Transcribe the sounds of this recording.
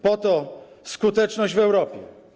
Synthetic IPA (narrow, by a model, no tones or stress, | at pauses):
pɔt̪ɔ | skut̪ɛt͡ʂnɔʑd͡ʑvɛwɾɔpʲjɛ